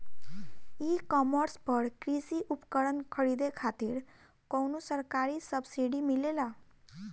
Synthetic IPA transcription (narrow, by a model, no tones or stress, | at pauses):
ikɔməɾspəɾkɾisiʔupkəɽənkʰəɾid̪ekʰat̪iɾ | kɔwnosəɾkaɾisəbsiɖimilela